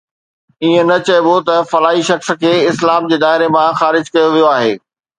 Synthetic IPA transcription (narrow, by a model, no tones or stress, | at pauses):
iẽnɐt͡ɕɐbot̪ɐfɐlaːiʃɐxs̆kʰeːɪslaːmd͡ʑeːd̪aːɦɪɾemãxaːɾɪd͡ʑkɐjoʋijoaːɦḛː